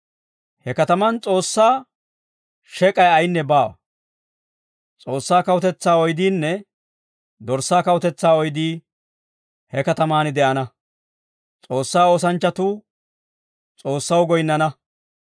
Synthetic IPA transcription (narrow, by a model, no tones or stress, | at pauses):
hɛkɐt̪ɐmɐnt͡sʼo̞ːsːaː | ʃɛkʼɐjɐjnːɛbaːwɐ̰ | t͡sʼo̞ːsːaːkɐwʊt̪ɛt͡sːaːɔjd̪iːnːɛ | d̪ɔɾsːaːkɐwʊt̪ɛt͡sːaːɔjd̪iː | hɛkɐt̪ɐmaːnɪd̪ɛʔɐnɐ | t͡sʼo̞ːsːaːoːs̬ɐnt͡ʃːɐt̪uː | t͡sʼo̞ːsːɐwɡɔjɪnːɐnɐ